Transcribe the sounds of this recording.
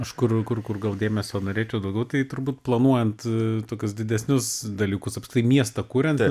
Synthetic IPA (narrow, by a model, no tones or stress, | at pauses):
ɐʃkʊrkʊrkʊrɡɐlˠd̪ʲeːmʲɛsʲoːnoːɾʲeːt͡ʃʲɛʊd̪ɐʊɡʲɛʊt̪ɐɪt̪ʊɾbuːt̪̚plˠɐnuɔjɛnt̪t̪oːkʲʊsd̪ʲɪd̪ʲɛsʲnʲʊsd̪ɐlʲiːkʊsɐpʲskt̪ʲɐɪmʲiɛst̪ɐkuːɾʲɛnt